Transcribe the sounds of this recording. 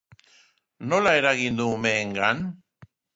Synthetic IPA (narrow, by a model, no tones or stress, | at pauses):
nolaeɾaɣind̪uːmeːŋɡan